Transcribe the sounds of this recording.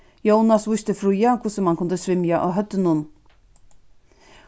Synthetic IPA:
jownasvʊʃt̪əfɾujakʰʊsəmankʰʊnd̪əsvɪmjaʔoɦœt̪ːənun

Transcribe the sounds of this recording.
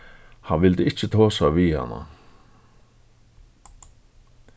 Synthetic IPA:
hanvɪlt̪ɪɪt͡ɕːɪt̪ʰɔːsaʋiha̰nːa̰

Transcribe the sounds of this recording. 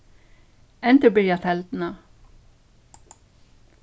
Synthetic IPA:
ɛnt̪əbɪːɾjɑfʰɛld̪n̩ɑ

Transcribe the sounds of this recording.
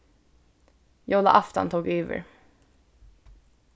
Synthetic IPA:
jɑɔla̰ʔaft̪ɔ̰nt̪ʰuːɡøːvə̰ɾ

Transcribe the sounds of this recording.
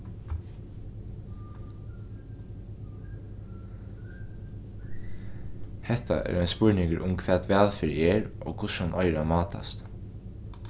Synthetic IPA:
hɛht̪a̰ʔɛ̰ɾaɪnspʊɹnɪŋkəɾʔʊmkʰvʋɛːt̪ʋæːlfɪɾɛːɹʔoːkʰʊshanʔɔjɾamɑːt̪ʰa̰st̪

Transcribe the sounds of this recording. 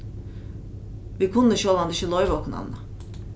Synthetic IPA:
vikʰund̪ɯʃɯolˠand̪ɯʃɯlˠojvokʰna̰nlˠa

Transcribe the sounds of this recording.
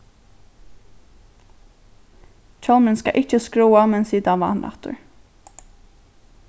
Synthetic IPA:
t͡ʃʰɔlmɪnska̰ʔɪcːəskɾuːamɛnsiːd̪anʋɑ̰ːnlʔa̰ht̪ʊ̰ɹ

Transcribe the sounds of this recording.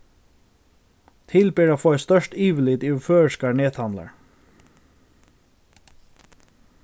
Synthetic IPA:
t̪ʰɪlpeːɾat̪foːast̪œʂtiːʋɪlɪt̪ɪʋføːəskaɹneːt̪hamla̰ɹ

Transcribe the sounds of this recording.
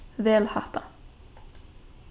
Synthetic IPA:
vɛːlha̰t̪a

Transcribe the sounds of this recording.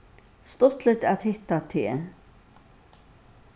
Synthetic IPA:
st̪ɔt̪lət̪at̪hɪht̪at̪ʰeː

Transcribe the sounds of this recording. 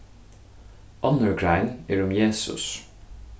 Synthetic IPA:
ʔɑnəɹɡɹæɪniːɹʊmjeːsʉ̰s

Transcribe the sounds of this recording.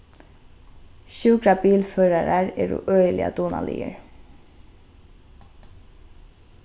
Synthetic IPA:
ʃʉːkɾabiːlføːɾaɾaɹɛːɾṵʔœːjəlɪ̰a̰d̪uːna̰lḭːə̰ɹ

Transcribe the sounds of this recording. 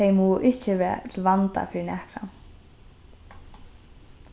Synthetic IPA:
ejmɔːʊʔɪht͡ʃɪvɛt̪ʰlvant̪a̰fɪɾɪnɛhkɾa̰n

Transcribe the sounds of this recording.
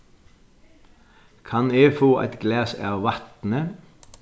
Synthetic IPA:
kʰɑneːfoːʔæ̰t̪ɡlæːsæːʋɑt̪n̩ə

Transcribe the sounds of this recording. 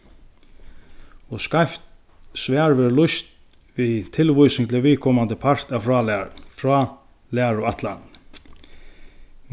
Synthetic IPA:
ɔskajft̪ | sʋɛːɹveːɾlʊst̪ | ʋiðt̪ʰɪlvʊjsɪŋt̪ɪviːðkʰɔmant̪əpʰar̥t̪awfɹaːlfɹaː | læːɹʊaht̪la̰n

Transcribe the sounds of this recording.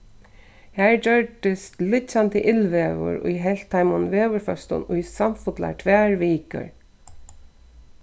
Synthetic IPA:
hæːɹd͡ʑœɹd̪ɪst̪lɪt͡ɕant̪əʔɪlʋɛːʋʊ̰ɹʊ̰jɦɛlt̪ʰːajmʊnʋeːʋəɹfœst̪ʊ̰nʊjsamfʊt̪la̰ɹt̪ʰʋæːɹʋiːkə̰ɹ

